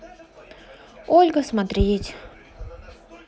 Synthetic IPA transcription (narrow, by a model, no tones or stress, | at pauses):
olʲɡəsmat̪ɾʲetʲ